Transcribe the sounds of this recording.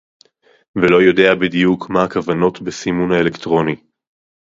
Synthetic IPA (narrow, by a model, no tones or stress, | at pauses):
velo̞jo̞de̞abidijukʰmaːkavano̞tbesimunaelektʁo̞ni